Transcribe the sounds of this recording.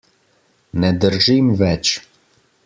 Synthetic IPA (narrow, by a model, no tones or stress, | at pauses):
nɛd̪ərʒimvɛt͡ʃ